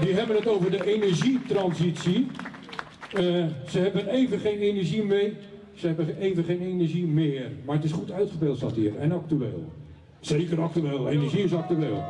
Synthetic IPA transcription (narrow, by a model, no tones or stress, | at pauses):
diɦɛbənətowvərdəʔenərzitrɔnsisji | səhɛbəneːvənχejnenərʒimɪː | səhɛbəeːvəχeːnenərʒimɪːrmarətɪsχutœɥtχəpɪlˠtɔtiərɛnak̚tyḛːlˠ | seːkərak̚tyeːlˠeːnərʒiɪsɑk̚tyeːlˠ